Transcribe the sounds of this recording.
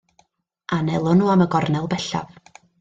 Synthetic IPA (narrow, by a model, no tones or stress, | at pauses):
ʔanɛlˠɔnuːaməɡɔrnɛlˠbɛɬa̰v